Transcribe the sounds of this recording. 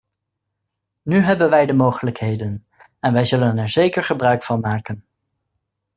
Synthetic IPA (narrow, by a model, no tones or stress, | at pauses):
nyɦɛbənʋɛjdəmowχələkɦejdən | ɛnʋɛjzɵlənɛɹzejkəɹχəbrœɥkfɑnmaːkən